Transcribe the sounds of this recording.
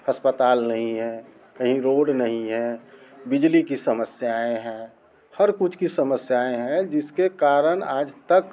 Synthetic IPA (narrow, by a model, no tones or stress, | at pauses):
əspət̪aːlnəɦĩɦɛ̃ | kəɦĩɾoːɖnəɦĩɦɛ̃bɪd͡ʒlikisəməsjaẽɦɛ̃ | həɾkʊt͡ʃʰkisəməsjaẽɦɛ̃d͡ʒɪskekaːɾəñaːd͡ʒt̪ək